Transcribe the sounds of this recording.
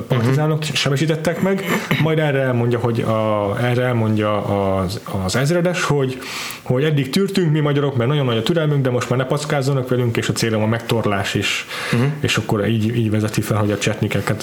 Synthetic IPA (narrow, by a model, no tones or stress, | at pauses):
pɒrt̪izaːnokʃɛmɛʃiːt̪ɛt̪ːɛkmɛɡmɒjd̪ɛrɛɛlmo̞ɲɟɒɦo̞ɟɒɛrɛɛlmo̞ɲɟɒː | zɛzrɛd̪ɛʃho̞ɟ | ho̞ɟɛd̪ːikt̪yːrt̪yŋkmimɒɟɒɾo̞kmɛrnɒɟo̞nːɒɟɒt̪yɾɛlmyŋɡd̪ɛmo̞ʃt̪maːrnɛpɒt̪skaːzːonɒkʋɛlyŋkeːʃɒt̪seːlomɒmɛkt̪o̞rlaːʃeːʃ | eːʃɒkːo̞ɾiːɟiːɟʋɛzɛt̪ifɛlɦo̞ɟɒt͡ʃɛt̪nikɛkːɛt̪